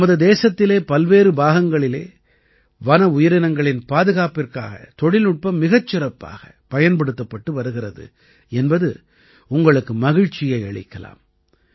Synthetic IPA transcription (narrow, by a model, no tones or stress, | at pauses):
mɐðɯd̪eːsɐt̪ːɪleːpɐlʋeːɾɯbaːɣɐŋɡɐɭɪlḛː | ʋɐnɐʊjɐɾɪnɐŋɡɐɭɪnpaːðɯɣaːpɪrka̰ːɣɐ̰t̪ɔɽɪlʊʈ̚pɐmːɪɣɐt͡ʃːɪrɐpːa̰ːɣɐ | pɐjɐnpɐɽɯt̪ːɐpːɐʈːɯʋɐɾɯɣɪrɐðɯ̰ | ɛnbɐðɯ | ʊŋɡɐɭɯkːɯmɐɣɪɻt͡ʃːɪjɐɪɐɭɪ̰kːɐla̰ːm